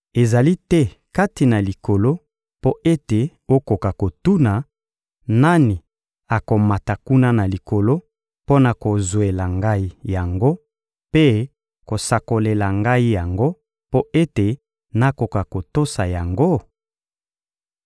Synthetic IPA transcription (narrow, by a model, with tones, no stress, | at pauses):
e˨za˨li˦tɛ˦ka˦ti˨na˨li˨ko˨lo˦ | po˦ʔe˦te˨ | o˦ko˨ka˨ko˨tu˦na˨ | na˦ni˨ | a˨ko˨ma˨ta˨ku˦na˦na˨li˨ko˨lo˦ | po˦na˨ko˨zwe˨la˨ŋɡa˦i˦ja˨ŋɡo˦ | pe˦ | ko˨sa˨ko˨le˨la˨ŋɡa˦i˦ja˨ŋɡo˦ | po˦ʔe˦te˨ | na˦ko˨ka˨ko˨to˦sa˨ja˨ŋɡo˦